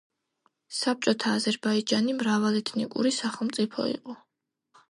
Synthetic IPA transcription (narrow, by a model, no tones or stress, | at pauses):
sap̚t͡ʃʼɔt̪ʰaːzɛɾbaid͡ʒanimɾavalɛt̪ʰnikʼṵɾisaχɛlˠmt̪sʼipʰɔ̰ḭqʼɔ